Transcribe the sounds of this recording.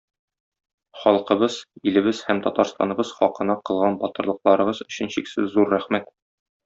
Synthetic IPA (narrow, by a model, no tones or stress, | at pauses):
χɒlˠqɤ̆bɤz̥ilɘ̆bɘzhæmt̪ɒt̪ɑɾst̪ɑ̰nɤ̆bɤz̥χɒqɤ̆nɑqɤ̆lˠʁɑnbɒt̪ɤ̆ɾlˠɤ̆qlˠɑɾɤ̆ʁɤzɵ̆ɕɘ̆nɕiksɘzːuɾːæχmæt̪